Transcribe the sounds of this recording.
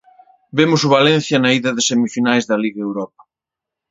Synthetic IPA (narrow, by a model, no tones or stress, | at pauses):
bemʊsʊβalẽn̟θjɐnɐiðɐðɪsemifinajzðɐliɣɐewɾɔp̚ɐ̥